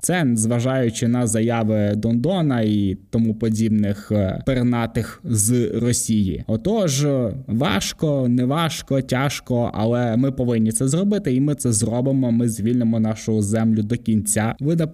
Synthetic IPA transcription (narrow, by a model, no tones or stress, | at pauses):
t̪sɛnzʋɐʒɑjʊt͡ʃɪnɐzɐjɑʋɪd̪ɔnd̪ɔnɐit̪ɔmupɔdʲibnɪxpernɑt̪ɪxzrɔsʲijḭɔt̪ɔʒʋɑ̰ʃkɔnɛʋɑʃkɔtʲaʃkɔɐ̰lˠɛmɪpɔʋɪnʲːit̪sɛzrɔbɪt̪ɪimɪt̪sɛzrɔbɪmɔmɪzʲʋʲilʲnemɔnɑʃʊʊzɛmlʲʊd̪ɔkʲinʲt͡sʲaʋɪnɐ